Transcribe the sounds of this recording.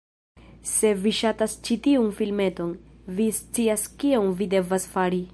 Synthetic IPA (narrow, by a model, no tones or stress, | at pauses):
se̞viʃatast͡ʃitiunfilme̞to̞n | vist͡siaskionvide̞vasfaɾi